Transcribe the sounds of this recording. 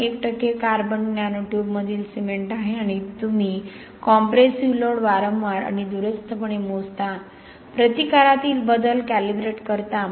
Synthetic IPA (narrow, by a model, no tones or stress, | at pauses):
ek̚ʈəkːekaɾbənɡnjanoʈjubməd̪ʱiːlsemeɳʈaɦeaɽ̃it̪umi | kɔmpɾesiʋloɽʋaɾəmʋaɾa̰ɽ̃id̪uɾəst̪ʰəpəɳemod͡zt̪a | pɾət̪ikaɾat̪iːlbəd̪əlkælibɾeʈkəɾt̪a